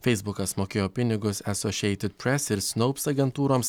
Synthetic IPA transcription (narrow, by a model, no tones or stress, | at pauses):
fʲɛɪzbʊkɐsmoːkʲeːjoːpʲɪnʲɪɡʊsɛsɔʃʲiɛɪt̪ʲɪt̪̚pʲɾʲɛsɪɾsnoʊpsɐɡʲɛnt̪uːɾoːms